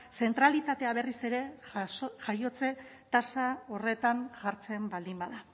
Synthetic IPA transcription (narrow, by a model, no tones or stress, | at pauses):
se̞nt̪ɾalit̪at̪e̞aβe̞rise̞ɾe̞ | ʝajo̞t͡se̞t̪asao̞re̞t̪aŋʝaɾt͡se̞mbald̪imbaða